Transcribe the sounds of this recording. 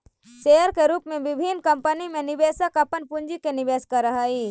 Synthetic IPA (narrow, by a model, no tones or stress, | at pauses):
ʃejəɾkeɾuːpmẽʋɪbʱinkɐmpənimẽniʋesəkɐpənpuɲd͡ʒikeniʋeːskɐɾɐɦai